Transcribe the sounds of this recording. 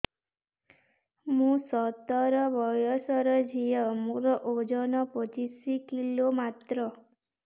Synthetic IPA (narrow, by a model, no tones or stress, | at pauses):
mũsɔt̪ɔɾɔbɔjɔsɔɾɔd͡ʒʱijəmũɾɔʔod͡ʒɔnɔpət͡ʃisikilomat̪ɾɔ